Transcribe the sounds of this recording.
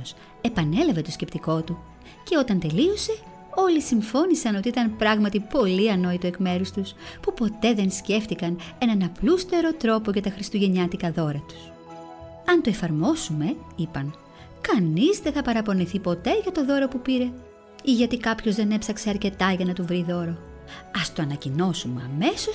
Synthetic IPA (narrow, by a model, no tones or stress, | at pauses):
os | e̞pɐne̞lɐve̞t̪o̞sce̞pt̪iko̞t̪u | ce̞o̞t̪ɐnt̪e̞lio̞se̞ | o̞lisiɱfo̞nisɐno̞t̪iit̪ɐnpɾɐɣmɐt̪ipo̞liɐno̞it̪oekme̞ɾust̪uspupo̞t̪e̞ðe̞nsce̞ft̪ikɐne̞nɐnɐplust̪e̞ɾo̞t̪ɾo̞po̞ʝɐt̪ɐxɾist̪uʝe̞ɲɐt̪ikɐðo̞ɾɐt̪u̥s | ɐnt̪o̞e̞fɐɾmo̞sume̞ipɐn | kɐnizðeθɐpɐɾɐpo̞niθipo̞t̪e̞ʝɐt̪o̞ðo̞ɾo̞pupiɾe̞ | iʝɐt̪ikɐpço̞zðe̞ne̞psɐkse̞ɐɾce̞t̪ɐʝɐnɐt̪uvɾiðo̞ɾo̞ | ɐst̪oɐnɐcino̞sumeɐ̰me̞so̞